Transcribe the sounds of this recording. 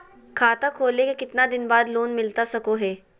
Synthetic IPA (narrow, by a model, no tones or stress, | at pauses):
kʰaːt̪akʰoːlekekɪt̪nad̪ɪnbaːd̪loːnmɪlt̪asɐkoɦɛː